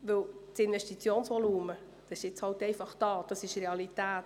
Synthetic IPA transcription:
ʋɪlt͡sɪnʋɛʃtit͡sjoːnsʋɔluːmə | d̥ɑsɪ̥ʃɪt͡shɑltɛɪfɑχd̥ɑːd̥ɑsɪʃreɑlitæːt

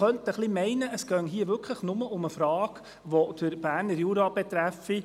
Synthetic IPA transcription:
œntəχlimɛɪnəʔəsɡ̥œŋɦiːəʋʏɾkʰləχnʊməʔʊməfɾɑːɡ | ʋod̥əɾb̥æːɾnəɾjuɾɑb̥et̪ɾæfi

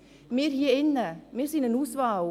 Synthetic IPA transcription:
meːɾ̥hiɪnːəmeːɾsiːnənuːsvaː

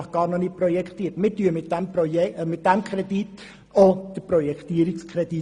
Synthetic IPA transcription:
χɡ̥ɑːɾnɔnɪprɔjɛkχt̪iːərtmɪɾtyəmɪtdæmpɔjɛmɪt̚d̥æmkχɾɛd̥it | od̪̥əprɔjɛkt̪iəɾɪkskʰɾɛd̥i

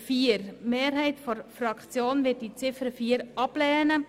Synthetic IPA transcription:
fiːəɾmeːɾɦɛɪtfɔɾfɾɑkt͡sjoːnvɪːd̚d̥it͡sɪfəɾfiːəɾɑb̥lɛːnə

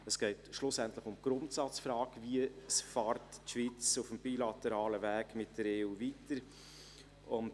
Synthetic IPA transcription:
əsɡ̥ɛɪtʃlʊsɛntləχʊmɡ̥ɾʊntsɑt͡sfɾɑːkviəsfɑːɾtːʃʋit͡sufəmb̥ilɑtɛɾɑːləvæːɡ̥mɪt̚d̥əɾeːuːvitəɾ | ʊnt

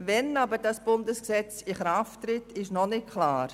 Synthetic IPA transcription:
vɛnabəɾdɑsb̥ʊndəsksɛt͡sɪχɾaftɾɪtɪʃnɔnɪt̚kʰlaːɾ

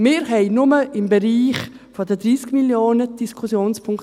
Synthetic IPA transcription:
mɪːɾɦɛɪnʊməʔɪmbeɾiːχ | fɔdədɾiːskmiljoːnəd̥iskʰʊsjoːnspʰʊŋk

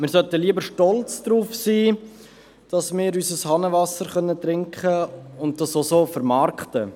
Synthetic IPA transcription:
mɪɾsœtəliəbəɾʃtɔlt͡sd̥ɾuːfsiː | d̥ɑsmɪːɾysəshɑnəʋɑsəɾχœnːət̪ɾɪŋkχəʊnt̚dɑsosoːfəɾmɑːɾktə

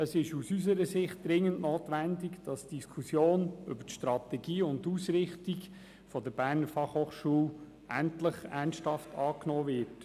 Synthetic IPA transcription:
əsɪʃusysəɾəsɪχt̚d̥ɾɪŋːəntnoːtʋændiɡd̥ɑsd̥iskʰusjoːnʏ̰bətʃtɾɑtɛɡiːʊnduːsɾɪχtiɡ | fɔdəɾb̥æːɾnəɾfɑχhoːχʃuːl | ʔæntləχænsthɑftʰɑːknoːvɪɾt

